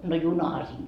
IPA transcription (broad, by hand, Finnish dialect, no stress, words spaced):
no junɑhɑ siːŋ